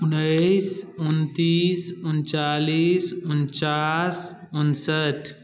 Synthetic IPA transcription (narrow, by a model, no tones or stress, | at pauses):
ʊnːəjsʊnt̪iːsunt͡ʃaːliːsunt͡ʃaːs | unsəʈʰ